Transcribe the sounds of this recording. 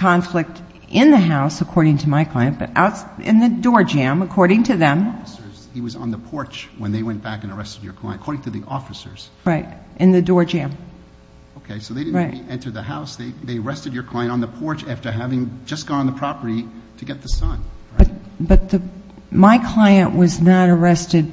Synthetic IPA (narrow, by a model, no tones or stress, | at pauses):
kʰɑ̃ɱflɪk̚t | ʔɪ̃nðɨɦaʊsəkʰɔɹɾɪ̃ŋtʰɨmaɪkʰl̥aɪɨ̃nb̥ʌ̰ɾʔa̰ʊtsɪ̰̃nðɨdɔɹd͡ʒæ̃məkʰɔɹɾɪ̃ŋtʰɨðɨ̃msə˞z̥hiwʌzn̩ðəpʰɔɹt͡ʃwə̃nðeɪwɛ̃nb̥ækɨ̃nə˞ɛstɨd͡ʒə̰˞kʰl̥aɪ̃nkʰɔɹɾɪ̃ŋtʰɨðiʔɔfɨsə˞z̥ | ɹaɪt̚ʔɨ̃nðɨdɔɹd͡ʒæ̃m | oʊkʰeɪsoʊðeɪɾɪɹaɪtɛ̃ntə˞d̪̚ðɨhaʊsðeɪðeɪə˞ɛstɨd͡ʒə˞kʰl̥ãɪɨ̃ntn̩ðəpʰɔɹt͡ʃæftə˞ɦævɪ̃ŋd͡ʒʌsɡ̥ɑ̃ñnðəpʰɹ̥ɑpə˞ɾiɾʰɨɡɛt̪̚ðɨsʌ̃n | b̥ʌt̪̚b̥ʌt̪̚ðɨ | maɪkʰl̥aɪɨ̃nʔwʔʌznəɾə˞ɛstɨd̚